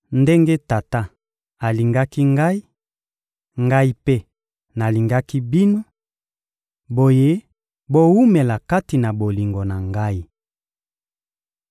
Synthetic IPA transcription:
nde˦ŋɡe˦ta˨ta˦ | a˨li˨ŋɡa˦ki˦ŋɡa˦i˦ | ŋɡa˦i˦pe˦ | na˨li˨ŋɡa˦ki˦bi˦no˦ | bo˨je˦ | bo˦wu˦me˨la˨ka˦ti˨na˨bo˨li˨ŋɡo˨na˨ŋɡa˦i˦

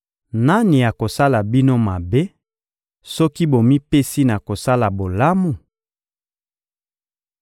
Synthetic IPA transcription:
na˦ni˨ja˨ko˨sa˦la˨bi˦no˦ma˨be˦ | sɔ˦ki˦bo˨mi˦pe˦si˦na˨ko˨sa˦la˨bo˨la˦mu˨

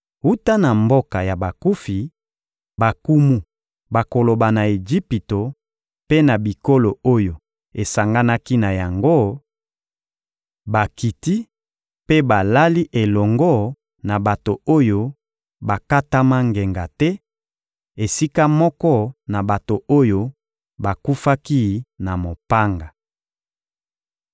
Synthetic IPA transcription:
u˦ta˦na˨mbo˦ka˨ja˨ba˨ku˦fi˨ | ba˨ku˦mu˦ | ba˨ko˨lo˨ba˨na˨e˨d͡ʒi˦pi˨to˨ | pe˦na˨bi˨ko˦lo˨o˦jo˨ | e˨sa˨ŋɡa˦na˦ki˦na˨ja˨ŋɡo˦ | ba˨ki˨ti˦ | pe˦ba˨la˦li˦ʔe˨lɔ˨ŋɡɔ˦˨ | na˨ba˨to˨o˦jo˦ | ba˨ka˦ta˦ma˦ŋɡe˨ŋɡa˨tɛ˦ | e˨si˦ka˦mɔ˦kɔ˦na˨ba˨to˨o˦jo˦ | ba˨ku˦fa˦ki˦na˨mo˨pa˦ŋɡa˨

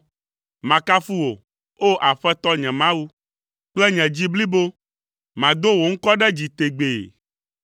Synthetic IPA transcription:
mã˨ka˦fu˦wo˨ | o˦ʔa˨ɸɛ˦t̪ɔ˦ɲɛ̃˨mã˦wu˦ | k͡plɛ˦ɲɛ̃˨d͡ʑi˦bli˦bo˦ | mã˨d̪o˦wo˨ŋ̩˦kɔ˦ɖɛ˦d͡ʑi˨t̪e˨ɡ͡be˨

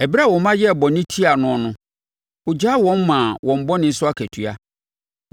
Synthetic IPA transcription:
ɛ˨bi˦ɾa˦˨wɔ˨mã˦jɛ˦˨bɔ˨nɪ̃˦tʰi˦a˨nʊ̃˦ɔ˦nʊ̃˦ | ʊ˨d͡ʑa˦wɔ̃˦m˦mã˨wɔ̃˨m̩˦bɔ˦nɪ̃˨n̩˦sʊ˦a˦kʰæ˨tʰɥa̰˨

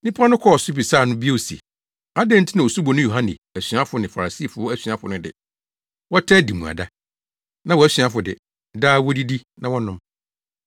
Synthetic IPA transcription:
nĩ˦pʰa˦nʊ̃˦kʰɔ˦ɔ˨su˦bi˨saː˦˨nʊ̃˦bi˦e˦o˨si˨e˨ | a˦dɛ̃˦n̩˦tʰɪ˦nã˨o˨su˦bɔ˨nʊ̃˦jo˨ɦã˦nɪ̰̃˨æ˨ɕɥa˦fʊ˨nɪ̃˨fa˨ɾa˨si˦˨fʊ˦ɔ˦æ˦ɕɥa˦fʊ˨nʊ̃˦dɪ̰˨ | wɔ˦tʰɛ˦˨di˨mũ˨a̰˨da˦ | nã˨wɔ˨æ˦ɕɥa˦fʊ˨dɪ̰˨ | daː˦wɔ˦di˦di˦nã˨wɔ˦nʊ̃˦m

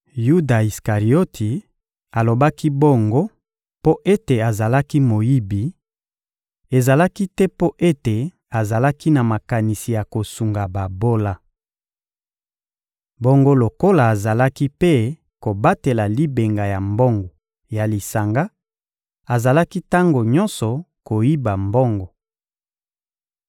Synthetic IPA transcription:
ju˦da˨i˨ska˨ʁi˨o˦tʰi˨ | a˨lo˨ba˦ki˦bo˦ŋɡo˦ | po˦ʔe˦te˨a˨za˨la˦ki˦mo˨ji˦bi˨ | e˨za˨la˦ki˦tɛ˦po˦ʔe˦te˨ | a˨za˨la˦ki˦na˨ma˨ka˨ni˨si˨ja˨ko˨su˨ŋɡa˨ba˨bo˦la˦ | bo˦ŋɡo˦lo˨ko˦la˨a˨za˨la˦ki˦pe˦ | ko˨ba˦te˨la˨li˦be˨ŋɡa˨ja˨mbɔ˦ŋɡɔ˨ | ja˨li˨sa˨ŋɡa˦ | a˨za˨la˦ki˦ta˦ŋɡo˨ɲɔ˦nsɔ˨ | ko˨ji˦ba˨mbɔ˦ŋɡɔ˨

